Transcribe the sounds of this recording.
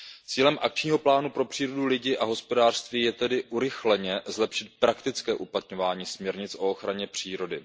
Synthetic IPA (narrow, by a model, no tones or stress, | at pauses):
t͡siːlɛmʔak̚t͡ʃɲiːɦo̞plaːnupɾo̞pr̥iːɾo̞dulɪɟɪʔaɦo̞spo̞daːr̥st̪viːjɛt̪ɛdɪʔuɾɪxlɛɲɛzlɛpʃɪt̪̚pɾakt̪ɪt͡skɛːʔuplat̪ɲo̞vaːɲiːsmɲɛɾɲɪt͡sʔo̞oxɾaɲɛpr̝̥iːɾo̞dɪ